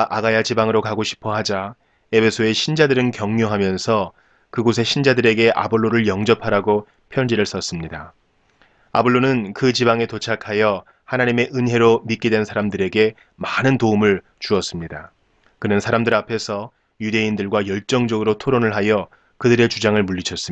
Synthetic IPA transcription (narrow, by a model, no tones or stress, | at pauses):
ʔaɡajat͡ɕibaŋɯɾokaɡoɕʰi̥pʰʌɦad͡ʑa | e̞pʰe̞sʰoe̞ɕʰind͡ʑadɯɾɯnkjʌŋɲoɦamjʌnsʰʌ | kɯɡos̬ʰe̞ɕʰind͡ʑadɯɾe̞ɡe̞ʔa̰boɭːoɾɯɭjʌŋd͡ʑʌpʰaɾaɡo | pʰjʌɲd͡ʑiɾɯɭs͈ʌs͈ɯmɲida | abɯɭːonɯnkɯt͡ɕibaŋe̞tot͡ɕʰakʰajʌ | hanaɲime̞ʔɯnɦe̞ɾomit̚k͈edwe̞nsʰaɾamdɯɾe̞ɡe̞ | manɯntoumɯɭ | t͡ɕuʌs͈ɯmɲida | kɯnɯnsʰaɾamdɯɾapʰe̞sʰʌ | jude̞indɯɭɡwajʌɭt͡ɕ͈ʌŋd͡ʑʌɡɯɾotʰoɾonɯɭɦajʌ | kɯdɯɾe̞t͡ɕud͡ʑaŋɯɭmuʎːit͡ɕʰʌs͈ɯ